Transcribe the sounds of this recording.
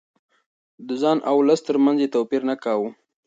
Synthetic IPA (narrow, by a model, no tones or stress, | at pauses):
d̪əzɑnʔawləst̪əɾmanzet̪opiɾnakɑwu